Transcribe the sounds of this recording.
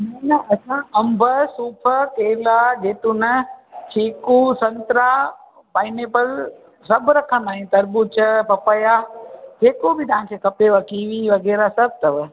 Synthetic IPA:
mɛ̃nəʔɐsãɐ̃mbʱəsuːpʰəkeːlad͡ʒeːt̪ʊnət͡ʃʰeːkusɐ̃nt̪ɾa | baːɪneːpəl | sɐbʱɾɐkʰə̃nd̪aːɦĩt̪ɐɾbut͡ʃɐpɐpəjad͡ʒeːkobɪt̪ɐʋ̤ãkʰeːkɐpeʋɐkiːʋiʋɐɣɛːɾasɐb̚ʱt̪ɐʋ

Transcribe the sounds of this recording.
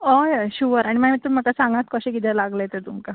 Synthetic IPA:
ojɕuʋəɾaɽ̃iməɳət̪əɾm̤əkasãŋɡat̪̚kəɕẽkit̪ʰɛlaɡləjet̪et̪umka

